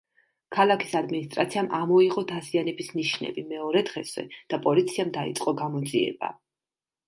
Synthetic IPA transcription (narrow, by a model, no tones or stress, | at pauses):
kʰalˠakʰi̥sad̪minist̪ʼɾat̪sʰiamʔamɔiʁʼɔd̪azianɛbisniʃnɛ̰bimɛɔɾɛd̪ʁɛsɛ̰d̪̥apʼɔlit̪sʰiamd̪aḭt̪sʼqʼɔɡamɔd̪ziɛ̰ba̰